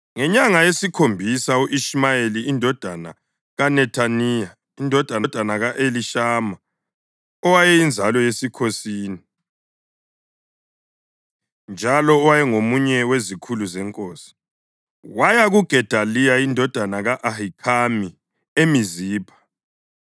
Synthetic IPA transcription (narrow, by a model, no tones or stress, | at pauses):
ŋɛɲaŋajesikʰombʱisauʔiʃmajeliːndʱɔd̥ʱana̰ | ɣanɛtʰanija | indʱɔd̥ʱand̥ʱanaɣaʔeliʃaːma | ɔwajɛjind͡zʱalɔjesikʰosiːni | nd͡ʒʱalɔːwajɛŋomuɲɛwezikʰuluzɛŋkʼoːsi̥ | wajaɣuɡ̥ʱɛd̥ʱalijaindʱɔd̥ʱanaɣaʔahikʰami | emiziːpʰḁ